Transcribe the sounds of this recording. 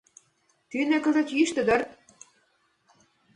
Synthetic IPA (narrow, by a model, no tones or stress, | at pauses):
t̪ynĕkəzĕt̪iʃt̪ə̆d̪ɤ̆rt̪